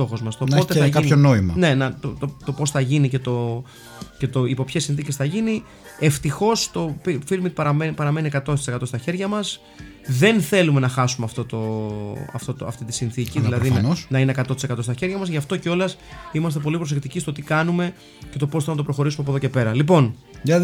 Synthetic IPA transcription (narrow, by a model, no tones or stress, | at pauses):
st̪o̞xo̞zmɐst̪onot̪eɐʝkɐipçonoimɐne̞nɐt̪ot̪ot̪o̞po̞sθɐʝinice̞t̪o̞ | ce̞t̪o̞ipo̞pçesːinθicesθɐʝini | e̞ft̪ixo̞st̪o̞pifilmik̚pɐɾɐmnpɐɾɐme̞niekɐt̪ost̪i̥se̞kɐt̪o̞st̪ɐçe̞ɾʝɐmɐs | ðe̞nθe̞lume̞nɐxɐsumeɐft̪o̞t̪o̞ɐ̰ft̪o̞t̪oɐ̰ft̪it̪i̥sinθiciððilɐðinɐosnɐinekɐt̪o̞t̪isekɐt̪o̞st̪ɐçe̞ɾʝɐmɐzʝɐft̪o̞ceo̞lɐsimɐst̪epo̞lipɾo̞s̬ek̚t̪icist̪o̞t̪ikɐnume̞ | cet̪o̞posθenɐt̪pɾo̞xo̞ɾisumepoðoce̞pe̞ɾɐlipo̞n | ɐ